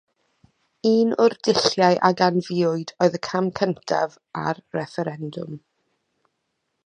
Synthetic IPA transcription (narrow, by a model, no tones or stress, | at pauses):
iːnʊrdɪɬjaɨʔaɡanvɪʊɨdoːɨðəkʰamkʰəntʰa̰v | a̰rːɛfɛɾɛndʊ̰m